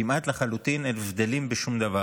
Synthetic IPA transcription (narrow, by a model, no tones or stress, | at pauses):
imat̪laχalut̪inelevd̪elimbeʃumd̪ava